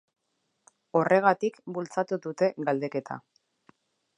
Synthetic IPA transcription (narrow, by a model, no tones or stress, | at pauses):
o̞re̞ɣ̞at̪ikbult͡sat̪uðut̪e̞ɣald̪e̞ke̞t̪ʰa̰